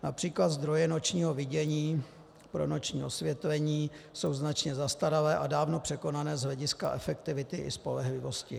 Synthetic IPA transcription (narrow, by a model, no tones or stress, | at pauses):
napr̝̥iːklat̪zd̪ɾo̞jɛno̞t͡ʃɲiːɦo̞vɪɟɛɲiː | pɾo̞̰no̞t͡ʃɲḭːʔo̞svjɛt̪vɛɲiːso̞wznat͡ʃɲɛzast̪aɾalɛːʔadaːvno̞pr̝̥ɛko̞nanɛːzɦlɛɟɪska̰ʔɛfɛk̚t̪ɪvɪt̪ɪʔɪ̰spo̞̰lɛɦlɪvo̞scɪ̰